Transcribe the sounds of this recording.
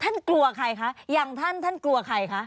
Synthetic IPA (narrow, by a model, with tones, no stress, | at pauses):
t̪ʰa˥˩nklu˧ɐkʰa˧˩jkʰa˦˥jaː˨˩ŋt̪ʰa˥˩nt̪ʰa˥˩nklu˧ɐkʰa˧˩jkʰa˦˥